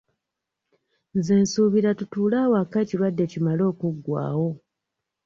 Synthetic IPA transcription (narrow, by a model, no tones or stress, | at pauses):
nzeːnsuβiɾatutuːlaːwakaciɾwadːe̞cimalo̞ːkuɡːwa̰ːwo̞